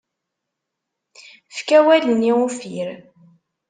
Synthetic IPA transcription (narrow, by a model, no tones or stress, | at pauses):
fkæwæləniufiɾ